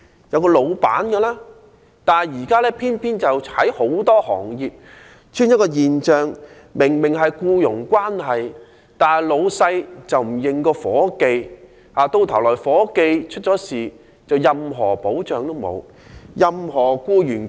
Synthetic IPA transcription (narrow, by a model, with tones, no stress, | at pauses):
jɐ˨˧wkɔː˧lo˨˧wpa̰ː˨˥nkɛː˧laː˥ | t̪aː˨nɐ˨˩jjiː˨˩kaː˥lɛː˥pʰiː˥npʰiː˥nt͡sɐ˨whɐ˨˥jho˨˥wt̪ɔː˥hɔ̰ː˨˩ŋjiː˨p̚ | t͡ʃʰyː˥njɐ˥kːɔː˧jiː˨nt͡ʃœː˨ŋ | mɪ˨˩ŋmɪ˨˩ŋɦɐ˨jkuː˧jʊ˨˩ŋkʷwaː˥nɦɐ˨j | t̪aː˨nɦɐ˨˩jlo˨˧wsɐ˧jt͡sɐ˨wm̩˨˩jɪ˨˩ŋkɔː˧fɔː˨˥ke˧j | aː˨t̪o˧wt̪ʰɐ˨˩wlɔː˨˩jfɔː˨˥ke˧jt͡ʃʰɵ˥t̚t͡ʃɔː˨˥siː˨˩ | t͡sɐ˨wjɐ˨mɦɔː˨˩po˨˥wt͡ʃœː˨ŋt̪o˥wmo̰˨˧w | jɐ˨mɦɔː˨˩kuː˧jyː˨˩n